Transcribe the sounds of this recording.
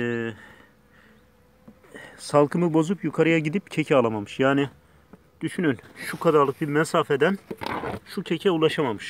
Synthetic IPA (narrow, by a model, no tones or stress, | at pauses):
salˠkʰɯmɯbo̞zupjukʰaɾɯjaɟid̪ip̚cʰecʰɛaːlˠamamɯʃjaːni | d̪̥yʃynynʃukʰad̪aɾlˠɯk̚biɾmɛsaːfɛd̪ænʃucʰecʰɛulˠaʃamamɯʃ